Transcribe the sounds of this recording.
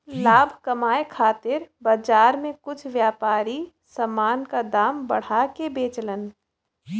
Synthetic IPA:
laːbʱkɐmaːekʰaːt̪ɪɾbɐd͡ʒaːɾmẽkʊt͡ʃʰʋjaːpaːɾi | sɐmːaːnkad̪aːmbɐ̰ɽ̤akebeːt͡ʃlən

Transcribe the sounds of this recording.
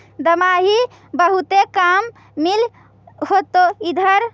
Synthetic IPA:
d̪əmaɦi | bəɦut̪ekamː | il | hot̪oid̪ʱəɾ

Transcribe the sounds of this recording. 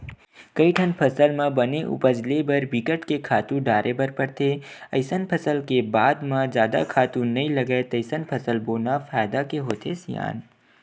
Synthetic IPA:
kɐiʈʰənpʰɐsəlmãbɐneʔʊ̰pəd͡ʒlebɐɾbɪkəʈkekʰaːt̪ũɖaːɾʔebɐɾpɐɾt̪ʰeɐɪsənpʰɐsəlkebaːd̪mãd͡ʒjaːd̪a̰kʰaːt̪ũnɐĩlɐɡəet̪ɐɪsənpʰɐsəlboːnafaːjd̪akeɦoːt̪ʰesja̰ːn

